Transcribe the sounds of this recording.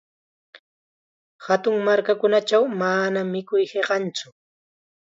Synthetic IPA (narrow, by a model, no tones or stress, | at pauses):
hat̪ʊŋmaɾkakʊnat͡ʃawmanamːɪkʊjheɢɑnt͡sʊ